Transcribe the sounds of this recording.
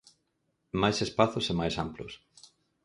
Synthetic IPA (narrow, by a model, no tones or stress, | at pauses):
majsespaθʊsemajsamploʊ̰s